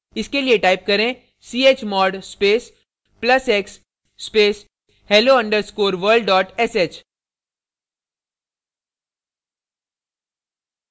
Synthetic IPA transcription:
ɪskelieʈaːɪp̚kɐɾẽ | siːeːt͡ʃmɔːɖspeːs | plɐseksː | peːs | hɛːloːɐ̃ɳɖəɾskoːɾʋəɾlɖɖɔːʈɛseːt͡ʃ

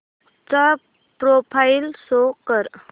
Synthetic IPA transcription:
t͡sa | pɾopʰailsokəɾ

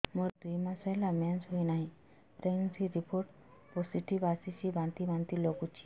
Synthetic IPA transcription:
moɾd̪ujmasajlamjansɦoinaɦĩ | pɾeŋsiɾipʰoɾʈ | osiʈʰibasisibãnt̪ibant̪ilokut͡ʃʰi̥

